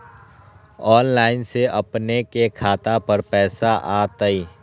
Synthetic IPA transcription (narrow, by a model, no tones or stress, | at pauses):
ɔːnlaːɪnseʔɐpnekekʰaːt̪apəɾpɛːsaʔaːt̪əiː